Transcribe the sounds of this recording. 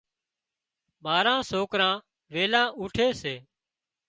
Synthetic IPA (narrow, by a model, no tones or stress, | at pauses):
maːɾãːsoːkɾãː | ʋeːlãːʔuːʈʰeːseː